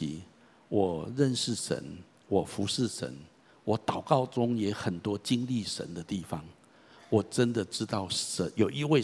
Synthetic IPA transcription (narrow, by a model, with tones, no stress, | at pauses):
ḭ˨˥ | wɔ˨˩ɻə˥˧nʂɻ̩˥˩ʂə̰˧˦n | wɔ˨˩fu˨˦ʂɻ̩˥˩ʂə̰˧˦n | wɔ˨˩˦t̪ɑ˨˩ʊkɑ˥˩ʊʈ͡ʂʊ˥ŋjɛ˧˥xə˨˩nt̪wɔ˥t͡ɕi˦ŋli˥˨ʂə̰˧˦nd̪ə˨t̪i˥˨˩fɑ˦ŋ | wɔ˨˩ʈ͡ʂə˦nd̪ə˨ʈ͡ʂɻ̩˥t̪ɑ˥˩ʊə˧˦njo˨˩ʊi˧we˥˧